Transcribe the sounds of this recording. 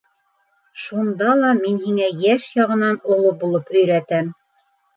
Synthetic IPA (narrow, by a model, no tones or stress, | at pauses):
ʃund̪ɑlˠɑminhiŋæjæʃjɑʁɤ̆nɑnolˠɤp̚bulˠɤpɵ̆jɾæt̪æm